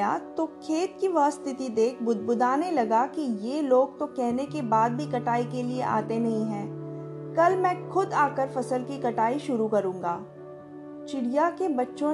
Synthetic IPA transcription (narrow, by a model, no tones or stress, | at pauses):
a̰t̪okʰeːt̪̚kiʋaːst̪ʰɪt̪id̪eːkʰbʊd̪̚ʱbʊd̪ʱaːnelɐɡakijeːloːɡ̚t̪okɛɦnekebaːd̪̚bʱikɐʈaːikelieʔa̰ːt̪enɐɦĩɦɛ̃ː | kɐlmɛ̃ːxʊd̪aːkəɾfɐsəlkikɐʈaːiʃʊɾukɐɾũːŋɡaː | t͡ʃɪɽijakebɐtːʃõ